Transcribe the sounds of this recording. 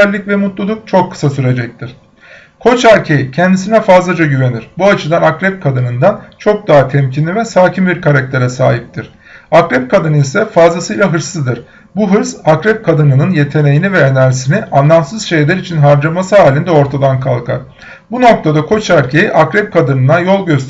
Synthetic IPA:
lʲːicvɛmut̪lˠulˠuk̚t͡ʃʰo̞kʰːɯ̥sasyɾe̞d͡ʒɛc̚t̪ʰiɾ̥ | kʰo̞t͡ʃæɾcʰe̞jicʰɛnd̪is̬inɛfazlˠad͡ʒaɟyve̞niɾ̥buat͡ʃʰɯd̪anakɾɛp̚kʰad̪ɯnɯnd̪ant͡ʃʰo̞k̚d̪aɦat̪ʰɛmcʰinʲivɛsaːcʰimbiɾkʰaɾak̚t̪ʰe̞ɾɛsa̰ːɦip̚t̪ʰiɾ̥ | akɾɛp̚kʰad̪ɯnɯisɛfazlˠasɯjlˠaɦɯɾsɯzd̪ɯɾ̥ | buɦɯɾzakɾɛp̚kʰad̪ɯnɯnɯnje̞t̪ʰe̞ne̞jinivɛenæɾsiniʔanlːˠamsɯzʃejlʲæɾit͡ʃʰinɦaɾd͡ʒaɾmasɯɦaːlʲind̪ɛo̞ɾt̪ʰad̪ankʰalˠkʰa̰ɾ̥ | buno̞k̚t̪ʰad̪akʰo̞t͡ʃæɾcʰe̞jiʔakɾɛp̚kʰad̪ɯnɯnajo̞lˠɟø̞st̪

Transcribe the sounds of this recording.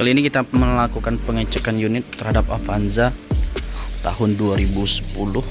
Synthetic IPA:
kalinikit̪aməlakukanpəŋət͡ʃəkanjunɪt̪ːərhadap̚afanza | t̪a̰hʊnduaɾibusə̥pulʊh

